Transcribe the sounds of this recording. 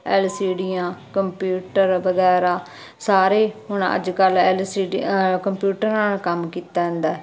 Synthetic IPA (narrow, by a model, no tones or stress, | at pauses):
ɛlsiːɖijãːkəmpjuːʈəɾʋəɡɛːɾaː | saːɾeːɦʊɳ̃ə̰d͡ʒkəlɛlsiːkəmpjuːʈəɾnaːlkəmkiːt̪aːɦə̃nd̪aː